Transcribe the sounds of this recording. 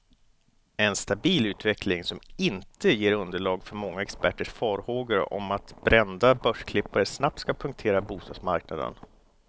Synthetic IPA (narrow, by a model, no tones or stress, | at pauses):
ɛnst̪abiːlʉ̟ːt̪vɛkʰlɪŋsɔmɪnt̪əjeːɾɵnd̪əɭɑːɡfœɾmɔŋːaɛkspæʈːəʂfɑːɾhoːɡəɾə̰ʔɔ̰mat̪bɾɛnd̪abœʂkʰlɪpːaɾəsnap̚t̪skapʰɵŋk̚t̪ʰeːɾabuːst̪ɑːd̪smaɾknad̪ə̰n